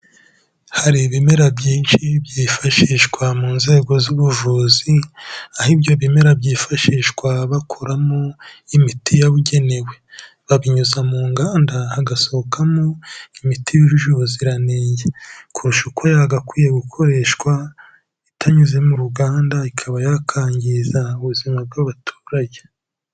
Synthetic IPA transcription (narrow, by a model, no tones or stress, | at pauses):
haɾiβime̞ɾabjiːnʃibɟiːfaʃiːʃkwamuːnze̞ːɡo̞zuβuʒuːziahibɟo̞βime̞ɾabɟiːfaʃiːʃkwaβakʰo̞ɾamoimitijaβuɟe̞ne̞we̞ | βaβiɲuzamuːŋɡaːndahːɡasohokamoimitijuʒuʒuziɾanejekuɾuʃukwajaɡakwiːje̞ɡukʰo̞ɾe̞ːʃkwa | itʰaɲuzemuɾuɡaːndaikʰaβajakʰaːɲɟizauβuzimab̚ɡaβatʰu̥ːɾaɟe